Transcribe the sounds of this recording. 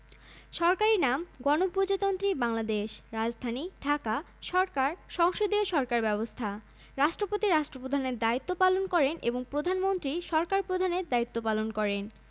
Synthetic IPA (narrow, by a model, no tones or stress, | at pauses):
ʃɔɾkaɾinamɡɔnopɾod͡ʑat̪ont̪ɾibaŋlad̪eʃɾad͡ʑd̪ʱaniɖʱaka | ʃɔɾkaɾʃɔŋʃod̪ioʃɔɾkaɾbɛbost̪ʰa | ɾaʃʈɾopot̪iɾaʃʈɾopɾod̪ʱaneɾd̪ait̪ːopalonkɔɾenʔḛboŋpɾod̪ʱanmont̪ɾiʃɔɾkaɾpɾod̪ʱaneɾd̪ait̪ːopalonkɔɾen